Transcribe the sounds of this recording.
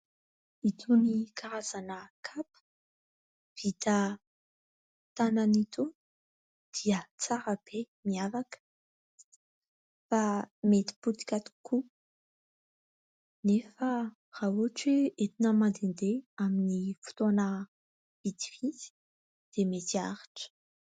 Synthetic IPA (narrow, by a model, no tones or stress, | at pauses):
it̪ʰunikaɾaz̥anəkʰap | v̥it̪ə | t̪anənit̪un | d̪̥iət͡saɾəb̥e | miavakə̥ | famet̪i̥put̪i̥kʲat̪u̥ku | nefə | raɦuaʈ͡ʂeet̪inəmand̪end̪eaminifu̥t̪onə | v̥it̪iizi̥ | d̪̥emet̪ia̰ɾḁʈ͡ʂə̥